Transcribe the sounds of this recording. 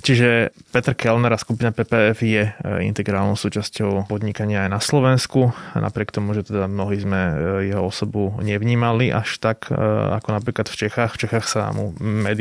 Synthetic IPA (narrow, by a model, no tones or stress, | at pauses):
t͡ʃiʒɛpɛt̪ɾkɛlnɛɾaskupinapɛːpɛɛfjɛḭnt̪ɛɡɾaːlnɔʊsuːt͡ʃascɔʊpɔd̪ɲikaɲɪaːjnaslɔʋɛnskunʔa̰pɾɪɛkt̪ɔmuʒɛt̪ɛd̪amnɔɦiːzmɛjɛɦɔɔsɔbuɲɛʋɲiːmaliʔa̰ʃt̪aka̰kɔnapɾiːklat̪ft͡ʃɛxaːxft͡ʃɛxaːxsa̰mṵmɛd̪